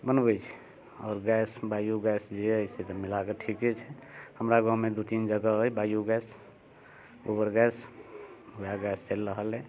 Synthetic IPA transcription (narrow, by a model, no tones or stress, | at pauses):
bənbəjt͡ʃʰɛ̥ | ɔːɾɡɛsbajuɡɛsd͡ʒeəjset̪əmilakeʈʰiket͡ʃʰɛhəmɾaɡãmed̪ut̪ind͡ʒəɡəojbajuɡɛs | obəɾɡɛs | ujaɡɛst͡ʃelːəɦəlɛ